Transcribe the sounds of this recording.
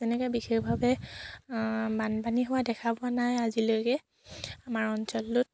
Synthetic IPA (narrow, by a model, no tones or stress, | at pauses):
zɛnɛkɔjbixexbʱabɛ | banpaniɦʊwadɛkʰabɔanajazilojkɛ | amaɹɔnsɔltʊt̚